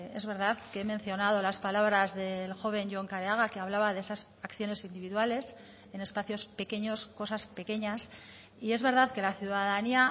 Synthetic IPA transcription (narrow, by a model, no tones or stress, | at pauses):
e̞zβe̞ɾð̞aðkeemẽ̞nθjo̞naðo̞laspalaβɾazðe̞lxo̞β̞e̞nʝoŋkaɾeaɣakeaβlaβaðesas | akθjo̞ne̞sind̪iβiðwale̞s | e̞ne̞spaθjo̞spe̞ke̞ɲo̞sko̞saspe̞ke̞ɲas | ie̞zβe̞ɾðaðke̞laθjuðaðania